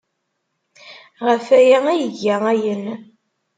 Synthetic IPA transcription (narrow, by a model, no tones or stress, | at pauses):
ʁəfæjaæjəʝːææjən